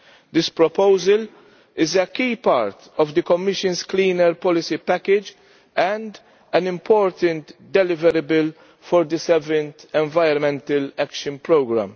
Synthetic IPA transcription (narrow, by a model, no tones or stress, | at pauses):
d̪ɪspɾɔpoʊzəl | ɪzəkiːpaːɾt̪ɔvd̪əkɔmːɪʃə̃nsklĩːnəɾpɔlɪsipækɪd͡ʒ | ɛ̃nd̪ | ɛnɪ̃mpʰɔːɾt̪ə̃nt̪d̪ɛlɪvəɾəbəl | fɔɾd̪əsɛvə̃nt̪ɛ̃ɱvajɾɔnmɛ̃nt̪ɐlækʃə̃npɾoːɡɾæ̰̃m